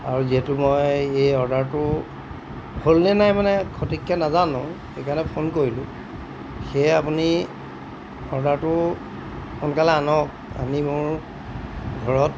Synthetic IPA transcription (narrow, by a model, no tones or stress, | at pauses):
aɹuziɦɛtʊmɔjejɔɹdaɹtʊ | holnɛnajmanɛkʰotikːɛnazanɔ̃xekaɹnɛpʰonkoɹilʊ̃ | xeapuni | ɔɹdaɹtʊ | xɔnkalɛanɔk̚ | a̰nimʊɹ | ɡʱɔɹɔt̚